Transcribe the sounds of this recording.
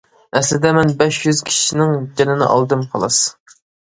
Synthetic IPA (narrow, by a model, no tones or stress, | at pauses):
ɛslɪd̪ɛmɛnbɛʃjyz̥kʲʰi̥ʃinɪŋd͡ʒɛnɪnɪ̰ʔɑ̰lˠd̪ɨmqʰɑlˠɑs